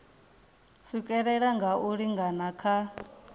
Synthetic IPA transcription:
sukʼɛɺɛɺaŋɡaʔuɺiŋɡanakʰa

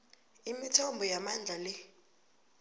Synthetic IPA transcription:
imitʰɔmbʱɔjamand͡ɮʱalɛ

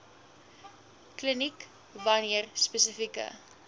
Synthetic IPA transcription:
klinik | vɐniərspəsəfikə̰

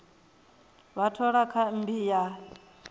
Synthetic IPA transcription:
βatʰɔɺakʰam̩bija

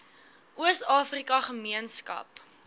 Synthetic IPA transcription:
ʔuəstɑːfrikɐχəmiənskɐ̰p

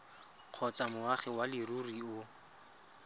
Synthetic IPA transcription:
q͡χʰɔt͡samʊaχɛwalɪruriʊ

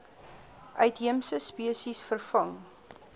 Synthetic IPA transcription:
ʔœɥtɦiəmsəspiəsisfərfɐŋ

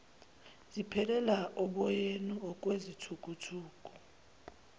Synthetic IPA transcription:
zipʰɛlɛlaʔɔɓɔjenuɔk̬ʼwezitʰukʼutʰuːk̬ʼu

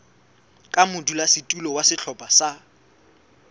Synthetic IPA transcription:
kʼamʊdulasɪtʼulɔwasɪɬʰɔpʼasa

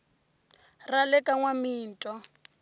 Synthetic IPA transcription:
ralɛkʼaŋwamiːntʼɔ

